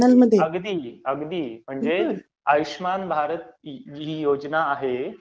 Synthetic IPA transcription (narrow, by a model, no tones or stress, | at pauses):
əlməd̪ʱːjeəɡd̪iːəɡd̪iːm̤əɳd͡ze | aʋiɕmanbʱaɾət̪d͡ʑiiːjod͡ʑnaːɦe